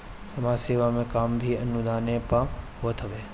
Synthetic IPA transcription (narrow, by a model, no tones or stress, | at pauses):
sɐmaːd͡ʒseːʋamẽkaːmbʱiɐnːud̪aːnepaɦoːt̪ɦɐʋeː